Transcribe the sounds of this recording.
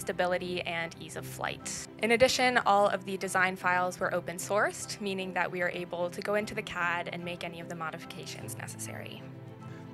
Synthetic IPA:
stɨbɪlˠɨɾiɨ̃nizʌv̥fla̰ɪtʔɨ̃nɨdɪʃɨ̃nɔlˠʌ̰vðɨdɨzãɪ̃nfaɪlˠzwə˞ʔoʊpɨ̃nsɔɹsmĩnɪ̃ŋðɨ̰ʔwiə˞ʔeɪbl̩ˠtʰɨɡoʊɪ̃ntʉðɨkʰæɾɨ̰̃nmeɪkɛniʌvðɨmɑɾɨfə̥kʰeɪʃɨ̰̃nznɛ̰sɨ̥sɛ̰ɹḭ

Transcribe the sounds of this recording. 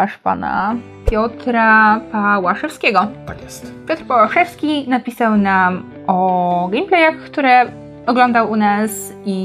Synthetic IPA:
aʂpa̰na̰ | pʲjɔt̪ɾapawaʂɛfskʲɛɡɔpa̰nʲjɛst̪pʲjɔt̪ɾpawaʂɛfskʲinapʲisawnam | ɔɡɛjmplɛjaxkt̪uɾɛ | ɔɡlɔnd̪awunas | i

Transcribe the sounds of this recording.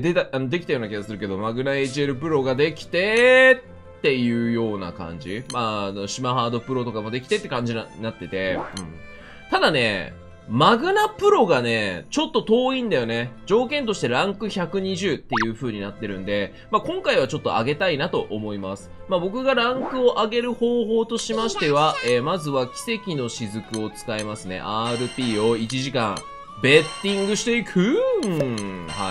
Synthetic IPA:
d̪et̪aano̞d̪e̞kʲi̥t̪ajoːnakʲiɡasɨɾɯ̟ke̞d̪o̞maɡɯ̟nae̞t͡ɕie̞ɾɯ̟pɯ̟ɾo̞ɡad̪e̞kʲi̥t̪e̞t̪ːe̞jɯ̟ːjo̞ːna̰kã̰ɲ̟d͡ʑimano̞ɕimahaːd̪o̞pɯ̟ɾo̞t̪o̞kamo̞d̪e̞kʲi̥t̪e̞t̪ːe̞kãɲ̟d͡ʑinainat̪ːe̞t̪e̞ɯ̟̃ɴ | t̪ad̪ane̞̰ | maɡɯ̟napɯ̟ɾo̞ɡane̞t͡ɕo̞t̪ːo̞t̪o̞ːĩnd̪ajo̞ne̞d͡ʑo̞ːkẽ̞nt̪̬o̞ɕi̥t̪e̞ɾãŋkɯ̟çakɯ̟ɲ̟iʑɨːt̪ːe̞jɯ̟ːɸɯ̟ːɲ̟inat̪ːe̞ɾɯ̟̰̃nd̪e̞ | makõ̞ŋkaiβ̞at͡ɕo̞t̪ːo̞̰a̰ɡe̞t̪ainat̪o̞ʔomo̞ima̰sɨ̥mabo̞k̬ɯ̟ɡaɾãŋkɯ̟o̞ʔaɡe̞ɾɯ̟ho̞ːɦo̞ːt̪o̞ɕimaɕi̥t̪e̞β̞aeːmazɨβakʲi̥se̞kʲino̞ɕizɨkɯ̟o̞t͡sɨ̥kaemasɨne̞̰ʔaːɾɯ̟pʲiːo̞it͡ɕiʑikã̰ŋ | be̞t̪ːĩŋɡɯɕi̥t̪e̞ikʰɯ̟ | ha̰

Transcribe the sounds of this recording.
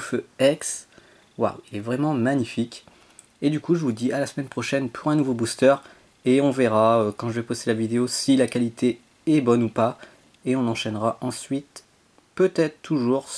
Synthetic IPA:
føɛks | wa̰wilɛvʁɛmɑ̃maɲifikʲ | ed̪ykuʒəvud̪ialasmɛnpχɔʃɛnpʰuʁɛ̃nuvobust̪œʁ | eɔ̃veʁaøkɑ̃ʒəvɛpost̪elavid̪eosilakalit̪ʰe | ɛbɔnupa | eɔ̃nɑ̃ʃɛnʁaʔɑ̃sɥit̪ | pøt̪ɛt̪χt̪ʰːuʒuʁ

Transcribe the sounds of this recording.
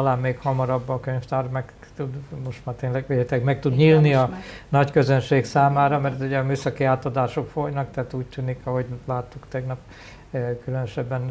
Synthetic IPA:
laːmmeːkhɒmɒɾɒbːɒkøɲft̪aːrmɛɡ | t̪ud̪mo̞ʃt̪maːrt̪eːɲnlɛɡʋehɛt̪ɛkmɛk̚t̪ud̪ɲilniɒnɒckøzønʃeːksaːmaːɾɒmɛrt̪uɟɒmyːsɒkiaːt̪od̪aːʃo̞kfo̞jnɒkt̪ɛaːt̪uːc̚t̪yːnikɒɦo̞ɟlaːt̪ːukt̪ɛɡnɒp | kylønøʃɛbːɛn

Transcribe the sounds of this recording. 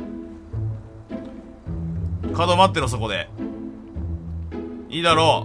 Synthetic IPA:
kad̪omat̪ːeɾos̬oko̞d̪ḛ | iːd̪aɾoː

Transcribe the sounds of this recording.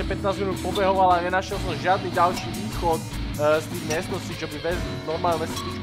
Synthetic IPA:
ɛpɛt̪naːzminupɔbɛɦɔʋalaɲɛnaʃjɛlsɔmʒɪad̪niːɟalʃiːʋiːxɔt̪st̪iːɣmɪɛst̪nɔst͡ɕiːt͡ʃɔbiʋɛzlinɔɾmaːlɲɛmɛst̪u

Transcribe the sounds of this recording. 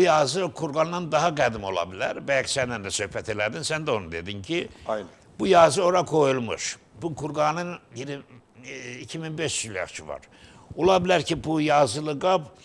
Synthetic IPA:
bujɑːzɯkʰuɾɡɑnnɑnd̪ɑɦɑɡæd̪imo̞lˠɑ̰bilæ̰ɾbæjɑksænd̪ænd̪æsø̞hpʰæt̪ʰe̞læd̪insænd̪æo̞nud̪e̞̰d̪incʰi | b̥ujɑːzɯo̞ɾɑkʰo̞julˠmṵʃ | bukʰuɾɡɑnɯnjiɾ | icʰiminbeʃjylʲjɑ̰χt͡ʃʰɯvɑ̰ɾ | o̞lˠɑbilæɾcʰibujɑːzɯlˠɯɡɑb

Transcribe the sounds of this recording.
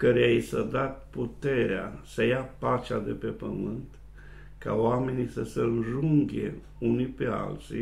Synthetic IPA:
kəɾeejsəd̪at̪̚put̪e̞ɾea̰səjapat͡ʃad̪e̞pe̞pə̰mɨnt̪ | ka̰oame̞nisəsəɨnʒuŋɡʲḛ | unipe̞a̰lt̪sḭ

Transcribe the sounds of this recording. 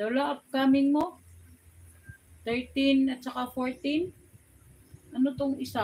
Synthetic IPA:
d̪̥ɐwlaʔɐp̚kamɪŋmo | t̪ɛɹt̪ɪnɐt̪̚t͡ʃɐkafoɹt̪in | ʔɐnot̪oŋɪsa

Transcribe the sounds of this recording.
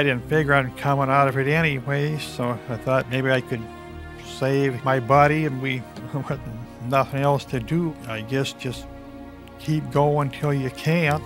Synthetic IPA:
ɾɪdⁿn̩tfɪɡjə˞ɨ̃nkʰʌ̃mə̃naʊɾʌvɨɾɛɾ̃iweɪz̥soʊaɪθɔt̚meɪbiaɪkʰɨd̚ | seɪvmaɪbɑɾiɨ̃nwiwʌt̚nʌθɪ̃ŋɛlˠstʰɨdɨaɪɡɛsd̥ʒ̥ʌs | kʰip̚ɡ̥oʊə̃ntʰɪlˠjɨkʰæ̃n

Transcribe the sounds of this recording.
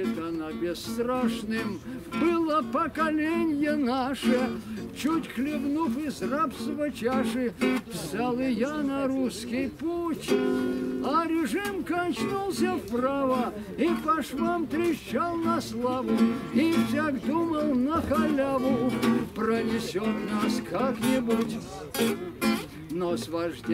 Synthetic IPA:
t̪ɐnabʲɪst̪ɾaʂnɨm | bɨlˠəpəkɐlʲenʲjənaʂɛt͡ɕutʲxlʲɪvnufɪzrapsvət͡ɕaʂɨvsʲalˠɨjanɐɾuskʲɪjputʲ | aɾʲɪʐɨmkɐnʲt͡ɕnulˠsʲəfpravə | ipɐʂvamt̪ɾʲɪɕalˠnɐslˠavʊifsʲaɡd̪uməlˠnəxɐlʲavʊprənʲɪsʲot̪naskaknʲɪbutʲ | nosvɐʐdʲ

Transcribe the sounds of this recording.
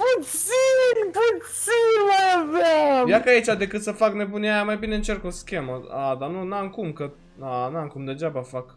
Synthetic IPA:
put̪ssinput̪sinmajavamjakait͡ʃad̪e̞kɨt̪səfakne̞buneajamajbineɨnt͡ʃe̞rkoskʲe̞məad̪anunaŋkumkə | anaŋkumd̪e̞d͡ʒabafak

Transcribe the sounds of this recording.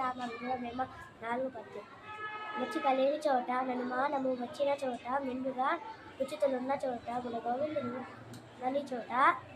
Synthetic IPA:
aːmɐniɡuɽɐmeːmɐ | naːluɡupɐt̪ːu | mɐt͡ʃːik̪ɐleːnit͡ʃɔːʈɐnɐnumaːnɐmːuʋɐt͡ʃːinɐt͡ʃɔːʈɐmiɳɖuɡaː | kut͡ʃːit̪ulunːɐt͡ʃɔːʈɐɡuɽɐɡoːʋind̪uɾu | nɐnːit͡ʃɔːʈɐ

